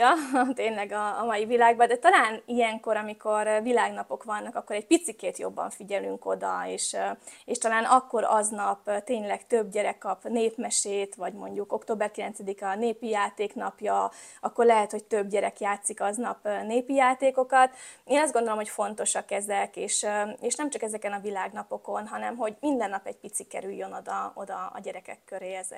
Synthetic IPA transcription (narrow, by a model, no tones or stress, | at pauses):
jɒt̪eːɲlɛɡɒːmɒjivilaːɡbɒd̪ɛt̪ɒlaːnijɛŋko̞ɾɒmiko̞ɾvilaːɡnɒpo̞kʋɒnːɒkɒkːo̞ɾɛɟ̚pit̪sikeːt̪jo̞̰bːɒ̰ɱfiɟɛlyŋko̞d̪ɒ̰eːʃeːʃt̪ɒlaːnɒkːo̞ɾɒ̰znɒpt̪eːɲlɛkt̪øbɟɛɾɛkːɒpneːpmɛʃeːt̪ʋɒɟmo̞ɲɟuko̞kt̪oːbɛrkilɛnt̪sɛd̪ikɒneːpijaːt̪eːknɒpjɒɒkːo̞rlɛɦɛt̪ho̞c̚t̪øbɟɛɾɛkjaːt̪sikɒznɒpneːpijaːt̪eːko̞kɒt̪eːnɒzd̪ɡond̪olo̞mɦocfo̞n̪t̪o̞ʃɒkːɛzɛkeːʃeːʃnɛmt͡ʃɒkɛzɛkɛnɒvilaːɡnɒpo̞ko̞nɦɒnɛmɦo̞ɟmind̪ɛnːɒpɛɟ̚pit̪sikːɛ̰ɾyjːø̞no̞d̪ɒo̞̰d̪ɒ̰ːɟɛɾɛkɛ̰kːøɾeːɛzɛ̰